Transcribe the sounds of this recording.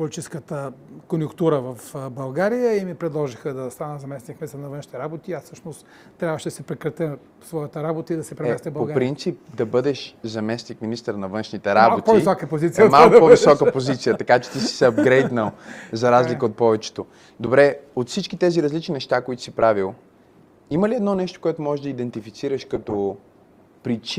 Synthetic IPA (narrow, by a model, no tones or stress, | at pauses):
polʲit͡ʃɛskət̪əkonjʊkt̪uɾəvɐfbɐlˠɡaɾijəimipɾɛd̪lˠɔʒixəd̪ɐst̪anəzɐmɛsnʲik̚minist̪əɾnɐvənʃnit̪ɛɾabot̪iːassɤʃnost̪ː | ɾʲabvəʃɛd̪ɐsɛpɾɛkɾɐt̪ə | svɔjət̪əɾabot̪əid̪ɐsɛpɾɛɛsɛbɐpopɾint̪sip̚d̪ɐbɤd̪ɛʃzɐmɛsnik̚minist̪əɾnɐvɤnʃnit̪ɛɾabkotpivisɔkəpozit̪siəmalˠkkpɔvisɔkəpozit̪sijət̪ɐkat͡ʃɛ̥t̪isi̥sɛɐbɡɾɛjd̪nəlˠzɐɾazlikəot̪̚pɔvɛt͡ʃɛ̥t̪o | d̪obɾɛot̪fsit͡ʃkit̪ɛziɾɐzlit͡ʃninɛʃt̪akoit̪ʊ̥sipɾavilˠ | iməliɛd̪nɔnɛʃt̪o̥koɛt̪ʊmɔʒɛʒd̪ɐid̪ɛnt̪ifit̪siɾəʃkɐt̪o | pɾit͡ʃ